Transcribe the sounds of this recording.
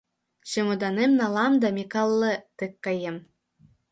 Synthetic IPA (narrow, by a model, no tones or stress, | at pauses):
ɕemŏd̪ɑnemnɑlˠɑmd̪ɑmʲekɑlˠːɤ̆t̪ɯkːɑjem